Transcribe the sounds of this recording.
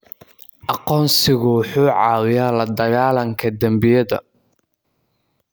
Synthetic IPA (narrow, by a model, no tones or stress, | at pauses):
ʔɑqɔːnsɪɣʊwħuːʕɑːwɪjaːlɐd̪ɐɣaːlɐŋkʰɐd̪ɐmbɪjɐðɐ̰